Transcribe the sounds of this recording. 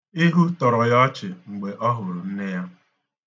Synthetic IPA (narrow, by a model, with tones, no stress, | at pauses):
i˦ɦu˦tɔ˨ɾɔ˨jɔ˦t͡ʃɪ˨ŋ͡m̩˨ɡ͡be˨ʔɔ˦ɦʊ˨ɾʊ˨n̩˦ne˦ja˦